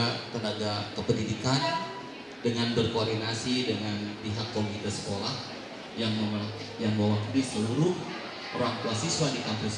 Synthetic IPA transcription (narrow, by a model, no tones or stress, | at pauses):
akənaɡakəpəndidikan | dəŋanbərkoːrdinasidəŋanpiɦakːomit̪əsə̥kolah | jaŋmam | jaŋbawakdisəluɾʊh | ɾaŋt̪uasiswadikampus